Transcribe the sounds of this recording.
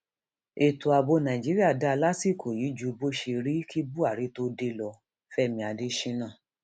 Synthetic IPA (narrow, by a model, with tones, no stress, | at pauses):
e˨tu˨a˧bo˧nã˨d͡ʒi˦ɾi˦a˦˨da˦˧la˦si˦˨kʰo˨ji˨˦d͡ʒu˨˧bo˦ʃe˧ɾi˦ki˦bu˦a˦˨ɾi˨˦to˦de˧lɔ˧ | fɛ˦˨mĩ˧a˧de˧˦ʃĩ˦nãː˦˨